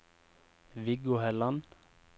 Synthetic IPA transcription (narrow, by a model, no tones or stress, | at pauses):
ʋɪɡʊhɛlɑn